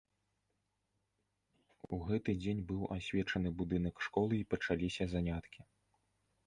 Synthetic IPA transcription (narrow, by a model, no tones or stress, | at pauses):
uɣɛt̪ɨd͡zʲenʲbɨwasʲvʲɛt͡ʂɐnɨbud̪ɨnɐkʂkɔlˠɨipɐt͡ʂalʲisʲɐzanʲat̪kʲi